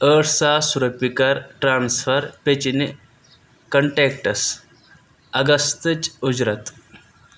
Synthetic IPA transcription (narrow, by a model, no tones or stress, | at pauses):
əɽsasuɾəpːikaɾʈɾansfəɾpet͡ɕine | kəɳʈekʈəs | ɐɡəst̪ət͡sud͡ʑɾət̪